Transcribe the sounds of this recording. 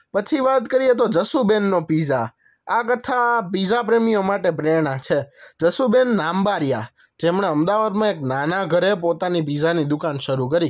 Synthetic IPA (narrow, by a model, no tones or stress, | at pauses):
pət͡ʃʰiʋat̪kəɾijet̪od͡ʒəsubenːopiza | akət̪ʰapizap̬ɾemijomaʈepɾeɾɽ̃ãt͡ʃʰed͡ʒəsubenːambaɾja̰ | d͡ʒemɳeəmd̪aʋad̪mãeknanaɡʱəɾepot̪anip̬izanid̪ukanʃəɾuk̬əɾi